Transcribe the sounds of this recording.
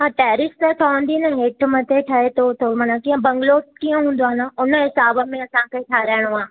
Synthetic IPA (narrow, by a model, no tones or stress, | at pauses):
ɦãːʈɛːɾɪst̪əʈ̪ʰõːnd̪inɐɦeːʈʰmɐt̪ʰeʈʰɐet̪ot̪ʰomɐnakiːə̃bɐ̃ŋɡloːkiə̃ɦũːn̆d̪oaːnəʊnəɦɪsaːbəmẽɐsãkeːʈʰaːɾɛːɽ̃oaː